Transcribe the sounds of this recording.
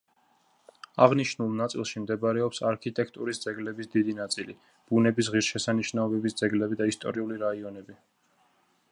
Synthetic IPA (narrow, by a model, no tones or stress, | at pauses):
aʁniʃnulˠnat̪sʼḭlˠʃimd̪ɛbɾɛɔpsaɾkʰit̪ʼɛkʰt̪ʼuɾisd̪zɛɡlɛbisd̪id̪inat̪sʼilḭ | b̥unɛbis̬ʁiɾʃɛsaniʃnaɔbɛbisd̪zɛɡlɛbid̪aist̪ʼɔ̰ɾiuliɾaiɔnɛbi